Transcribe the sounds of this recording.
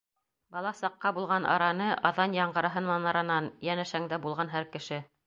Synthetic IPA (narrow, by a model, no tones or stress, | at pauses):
bɑlˠɑsɑqːɑbulˠʁɑnʔɑ̰ɾɑnɤʔɑðɑnjɑɴɢɤ̆ɾɑ̆ɦɤnmɑnɑɾɑnɑnjænæʃæŋd̪æbulˠʁɑnɦæɾkɘ̆ʃɘ